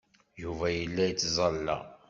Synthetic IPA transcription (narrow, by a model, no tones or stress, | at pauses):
juvæjəlːæjət͡sːzˤɑlːæ̰